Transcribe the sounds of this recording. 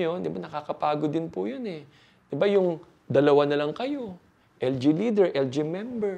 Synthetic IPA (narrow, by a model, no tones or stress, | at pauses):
jond̪ɪbanɐkakɐpaːɡod̪ɪnpʊjonɛ | d̪̥ɪbajʊŋ | d̪ɐlɐwanɐlɐŋkɐjo̞ | ʔɛld͡ʒiliːd̪ɛɹʔɛld͡ʒimɛmbɛɹ